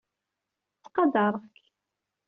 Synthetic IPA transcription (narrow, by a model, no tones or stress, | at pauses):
t͡sːqɑd̪ɑɾˤk